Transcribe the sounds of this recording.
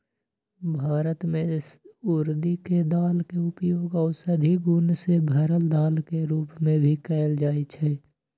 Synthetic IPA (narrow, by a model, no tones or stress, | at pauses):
bʱaːɾət̪mẽɪsʊɾd̪iked̪aːlkeʊpjoːɡɔːsəd̪ʱiɡʊnsebʱəɾəld̪aːlkeɾuːpmẽbʱikɛːld͡ʒaːit͡ʃʰɛː